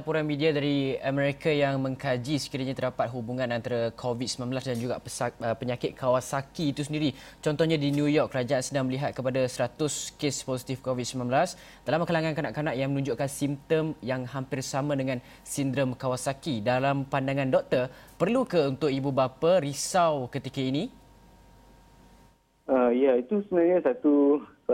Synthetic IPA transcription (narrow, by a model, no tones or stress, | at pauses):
lapuɾanmidiadaɾiamɛɾikajaŋmə̃ŋkad͡ʒisə̥kiɾaɲat̪ərdapat̪̚ɦubuŋãnant̪aɾakʰovit̪̚səmãnbəlasdand͡ʒuɡapəəpəɲakɪt̪̚kʰawasakiːt̪us̬əndiɾit͡ʃɔnt̪ɔhɲãdinjujɔkːəɾad͡ʒaʔansədaŋməliɦat̪̚kəpadasəɾat̪ʊskesposi̥t̪ifkovit̪̚səmãmblas | dalamkalaŋankanaʔkanaʔjaŋmənũɲd͡ʒʊʔkansimt̪əmjaŋɦampɪrsamãdəŋãn | sindɾəmkawasakidalampandaŋãndɔk̚t̪əpərlukəunt̪ʊkibubapaɾisawkət̪ikaini | əjait̪usəənaɲasat̪u